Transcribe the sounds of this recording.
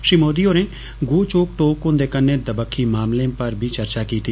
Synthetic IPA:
ʃiːmoːd̪ioːɾẽː | ɡoːt͡ʃoːk̚ʈoːkõnd̪eːkənːed̪əbəkʰːimaːmlẽpəɾbʱiːt͡ʃəɾt͡ʃaːkiːt̪i

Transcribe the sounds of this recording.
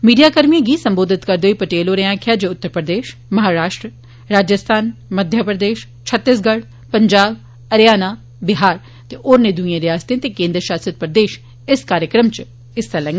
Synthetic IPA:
miːɖijaːkəɾmiẽːɡiːsəmboːd̪ɪt̪kəɾd̪eoiːpəʈeːloːɾeãːkʰjaːd͡ʒoʊt̪ːəɾpɾəd̪eːʃmɐɦaːɾaːʃʈɾə | ɾaːd͡ʒəst̪ʰaːnməd̪ʱjəpɾəd̪eːʃ | t͡ʃʰət̪ːɪs̬ɡəɽ | pəɲd͡ʒaːb | əɾjaːnaː | bɪɦaːɾ | t̪eʔoːɾneːd̪ʊĩãːɾɪaːst̪ẽt̪eːkẽːnd̪ɾəʃaːsət̪̚pɾəd̪eːʃ | ɪskaːɾjəkɾəmt͡ʃ | ɪst̪alɛ̃ŋɡ

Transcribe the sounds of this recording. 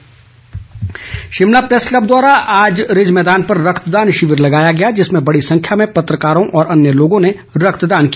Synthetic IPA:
ʃɪmlapɾeːsklɐb̚d̪waːɾaaːd͡ʒɾɪd͡ʒmɛːd̪aːnpɐɾːɐkʰt̪d̪aːnʃɪʋɪɾlɐɡaːjaɡɐjad͡ʒɪsmẽbɐɽisɐ̃ŋkʰjamẽpɐt̪ɾəkaːɾõʔɔːɾʔɐnjəloːɡõne | ɾɐkʰt̪d̪aːnki

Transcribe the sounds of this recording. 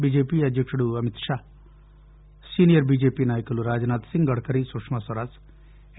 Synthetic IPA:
biːd͡ʒeːpiɐd̪ʱjəkʂɽuɐmɪt̪ʃaː | siːnijəɾbiːd͡ʒeːpinaːjkəluɾaːd͡ʒnaːt̪sɪ̃ŋɡɡɐɽkəɾisoʂmasɐɾas

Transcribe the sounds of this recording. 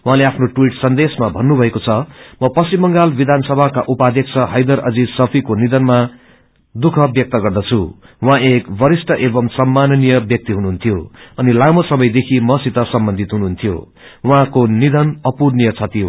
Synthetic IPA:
w̃ɦãleapʰnoʈwiʈsʌnd̪esmabʱʌnːubʱʌekot͡sʰʌmʌpʌsimːʌŋɡalbid̪ʱansʌbʱakaʔupad̪ʱjʌkt͡sʰʌɦʌjd̪ʌɾʔʌ̰d͡zid͡zsʌpʰikonid̪ʱʌnma | d̪ukʰʌbjʌk̚t̪ʌɡʌrd̪ʌt͡sʰu | wãekbʌɾisʈʰʌʔebʌmsʌmːanʌnijʌbjʌk̚t̪iɦunuɦunt̪ʰijoʌnilamʌsʌmʌjd̪ekʰimʌsit̪ʌsʌmbʌnd̪ʱit̪ɦunuɦunt̪ʰijo̰ | wɦãkonid̪ʱʌnʌpurnijʌt͡sʰʌt̪ijo

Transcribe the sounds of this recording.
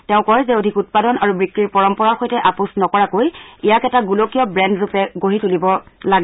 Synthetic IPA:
tɛʊ̃kɔjzɛodʱikut̚padɔnaɹubɹikːiɹpɔɹɔmpɔɹaɹxojtɛʔapusnɔkɔɹakojijakɛtaɡulokijɔbɹɛndɹupɛɡoɦitulibɔlaɡɛ

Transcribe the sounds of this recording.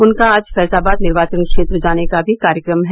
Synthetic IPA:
ʊnkaːd͡ʒfɛːsaːbaːd̪nɪɾʋaːt͡ʃənkʃeːt̪ɾd͡ʒaːnekabʱikaːɾjəkɾəmɦɛ

